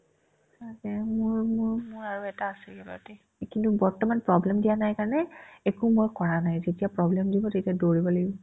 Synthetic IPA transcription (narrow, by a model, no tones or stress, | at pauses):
satɛmʊɹmʊɹmʊɹaɹuɛtaːsɛɡɛba̰ɹti | kintubɔɹtɔmanpɹɔblɛmdijanajkaɹɔnɛɛkumojkɔɹanajzetijapɹɔblɛmdibɔtetiadoɹibɔlaɡibɔ